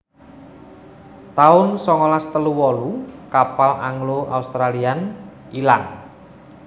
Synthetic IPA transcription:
t̪aʊnsɔŋɔlast̪əluwɔlukapala̰ŋloʔa̰ust̪ɾalian | ilan

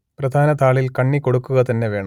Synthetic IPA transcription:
prɐd̪ʱaːnɐt̪aːɭilkɐɳːiko̞ɽukːuɣɐt̪ɐnːe̞ʋe̞ːɳɐm

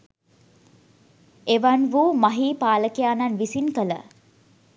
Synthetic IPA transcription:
eʋanʋuːmaɦiːpaːləkejaːnanʋisinkələ̰

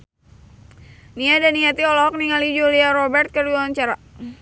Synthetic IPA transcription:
niadaniat̪iɔlɔɔk̚niŋalid͡ʒoliaɾɔbɛrt̪̚kərduaaɲt͡ʃaɾa

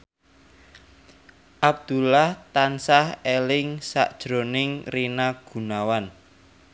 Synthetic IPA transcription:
ʔab̚d̪̥ṳlaht̪ansahelɪŋsa̰ʔd̥ʒ̥ɾonɪŋrinaɡ̥ṳnawan

